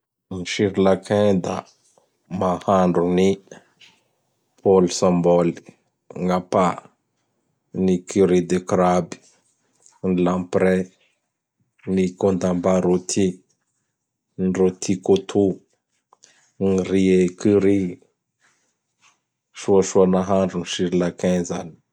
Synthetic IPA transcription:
nʃiɾlakʰɛ̃d̪a̰ | mahaɳduni | polsãmbɔli | ŋapa | nikiɾid̪ekɾabi̥ | nlãmpɾɛ | nikond̪ambaɾot̪ʰi | nrot̪ʰikot̪ʰu | ŋɾiekiɾi | ʃuaʃuanaɦaɳɖ͡ʐuniʃiɾilakɛza̰ni̥

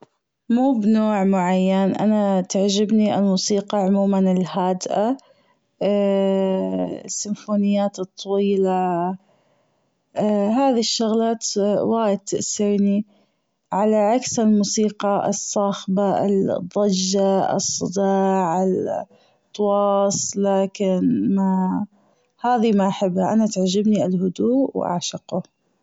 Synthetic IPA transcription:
muːbnoːʕmʊʕajːanʔa̰nat̪ɪʕd͡ʒɪbniʔɪ̰lmuːsiːqɑʕʊmuːmanɪlhaːd̪ʔa | sːɪmfuːnɪjːaːt̪ɨt̪ˤːɑwiːla | ɦaːðiʃːʊɣlaːt̪waːjɪd̪̚t̪ɪʔsɪɾni | ʕalaʕaksɪlmuːsiːqɑʔɨ̰sˤːɑːxba̰ld̪ˤːɑd͡ʒːaɨ̰sˤːɨd̪ɑːʕɪl | t̪ˤːɑwɑːsˤlaːkɪnma | haːðimaʔaħɪbhaʔanat̪aʕd͡ʒɪbniɪlɦʊd̪uːʔwʔa̰ʕʃɪqʊ

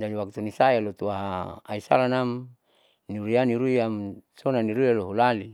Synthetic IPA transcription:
d͡ʒadiwak̚t̪unisajalot̪uaɦaa̰isa̰lanam | niɾuianiɾuiamsonaniɾuialoɦulali

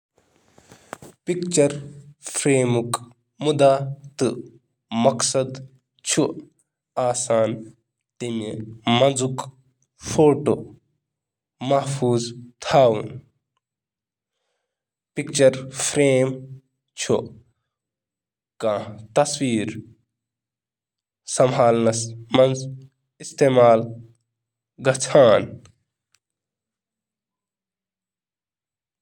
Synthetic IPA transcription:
pikt͡ʃɐɾpʰɾeːmuk | mud̪aːt̪ɨ | mɐksɐd̪ | t͡ʃʰu | aːsaːn | t̪imimɐnd͡zuk | fʰoːʈoː | mɐhfʰuːzt̪ʰaːwṵn | pikt͡ʃɐɾpʰɾeːm | t͡ʃʰo̰ | kãt̪ɐswiːɾ | sɐmɦaːlnɐsmɐnz | ist̪eːmaːl | ɡɐt͡sʰaːn

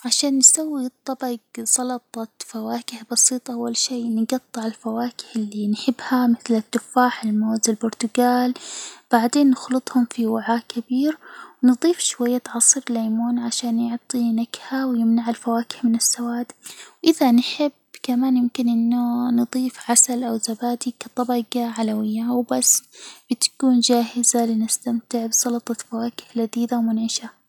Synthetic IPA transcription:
ʕaʃaːnːsawːit̪ˤːɑbɑɡsˤɑlɑt̪ˤɑfawaːkɪhbɑsiːt̪ˤʔawːalʃiːnɪɡɑt̪ˤːɨʕalfawaːkɪ̥hɪlːinħɪbːhamɪθlɪt̪ːʊfaːħɪlmoːzɪlbʊɾt̪ʊɡaːlb̥aʕd̪eːnːɪxlɨt̪ˤhʊmfiwaʕaːkabiːɾwnɨðˤiːfʃwajːat̪ʕɑsˤɨɾlaːmoːnʕaʃaːnjʊʕt̪ˤinakhawjɪmnaʕɪlfawaːkɪ̥ħmɪnɪsːawaːd̪wʔɪðanħɪbkamaːnjɪmkɪnʔɪnːʊnɨðˤiːfʕasalʔawzabaːd̪ikat̪ˤɑbɑɡaʕalawɪjːawbasːb̥ɪt̪kuːnd͡ʒaːɦɪzalɪnɪst̪amt̪ɪʕbsɑlɑt̪ˤɑfawaːkɪ̥hlaðiːd̪awmʊnʕɪʃa

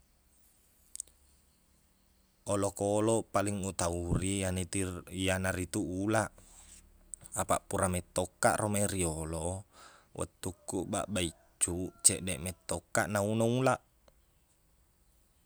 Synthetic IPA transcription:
olokɔlɔpaliŋut̪aurianijanaɾit̪uʔulaʔ | apa̰ʔpuɾamɛt̪ːɔkːa̰ʔrɔmeɾiolɔ | wʔa̰t̪ːukːuʔba̰ʔbai | t͡ʃːut͡ʃɛʔdɛʔmɛt̪ːɔkːaʔnaunaulaʔ

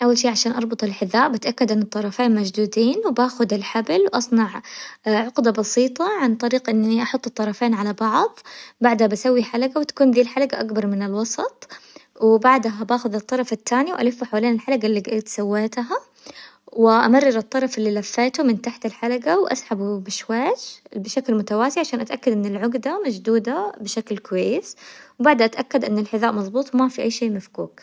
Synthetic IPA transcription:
ʔawːalʃiːʕaʃaːnʔɑɾˤbʊt̪ˤɪlħɪðːaːʔbɪt̪ʔakːad̪ʔɪnːɨt̪ˤːɑɾˤɑfeːnmad͡ʒd̪uːd̪iːnwbaːxʊd̪ɪlħablwʔɑsˤnɑʕʕʊqd̪abɑsiːt̪ˤɑʕant̪ˤɑɾiːqʔɪnːiʔɑħʊt̪ˤːɨt̪ˤːɑɾˤɑfeːnʕalabɑʕðˤbaʕd̪habasawːiħalaɡawɪt̪ḁkuːnðiːlħalaɡaʔakbɑɾˤmɪnɪlwɑsˤɑt̪ˤwɪbaʕd̪aɦabaːxʊðɨt̪ˤːɑɾˤɑfɪt̪ʰːaːniwʔa̰lɪfːʊħawaːleːnɪlħalaɡalːiɡaʔaːt̪sawːeːt̪ɦa | wɪʔamɑrˤːɑɾɨt̪ˤːɑɾˤɑfɪlːiːlafːeːt̪umɪnt̪aħt̪ɪlħalaɡawʔa̰sħabubɪʃwaːd͡ʒbɪʃaklmʊt̪awaːsɪʕaʃaːnʔat̪ʔakːad̪ʔɪnːɪlʕʊɡd̪amad͡ʒd̪uːd̪abɪʃaklkʊwajːɪswbaʕd̪haʔat̪ʔakːad̪ʔɪnːɪlħɪðaːʔmɑðˤbuːt̪ˤwmafiʔajːʃeːʔmafkuːk

